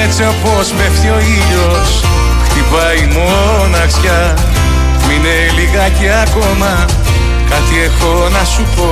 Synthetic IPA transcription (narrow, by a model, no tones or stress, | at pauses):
et͡seopo̞smeft̪io̞iʎo̞ | s | xt̪ipɐjmo | nɐksçɐ | puine̞liɣɐceɐko̞mɐ | kɐt̪ie̞xo̞nɐsupo̞